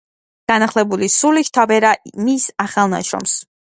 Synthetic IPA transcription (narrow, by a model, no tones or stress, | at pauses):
ɡ̥anaχlɛbulisuliʃt̪ʰabɛɾamisaχalˠna̰ʃɾɔ̰ms